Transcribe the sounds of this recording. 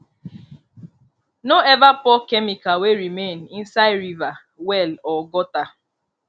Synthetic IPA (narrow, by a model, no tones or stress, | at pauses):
noɛvapɔkemikaweɾimenin̩saɪɾiva | wɛlɔɡɔta